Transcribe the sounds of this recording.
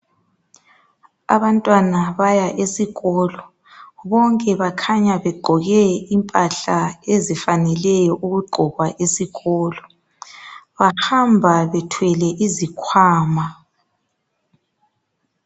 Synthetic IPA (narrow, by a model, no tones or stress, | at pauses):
a̰βantʼwanaβajaʔesiɣɔlɔ | βɔŋkʼɛβakʰaɲaβɛɡ͡ǃʱɔɣɛimpʼaɬaezifanɛlɛjɔʔuɣuɡ͡ǃʱɔɣwaʔesiɣɔːlɔ | βahambʱaβɛtʰwɛlɛʔizikʰwaːma